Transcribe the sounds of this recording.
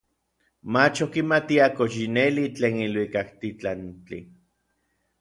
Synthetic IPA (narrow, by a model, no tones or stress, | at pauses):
mat͡ʃokimat̪iakoʃ̬inelit͡ɬeːnilwikakt̪it͡ɬant͡ɬḭ